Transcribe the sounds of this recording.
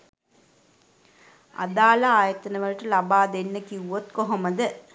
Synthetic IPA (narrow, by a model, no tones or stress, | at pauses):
a̰d̪aːlɐaːjɐt̪ɐnəʋɐlʈəlɐbaːd̪enːəkiwuʋot̪koɦomɐd̪ə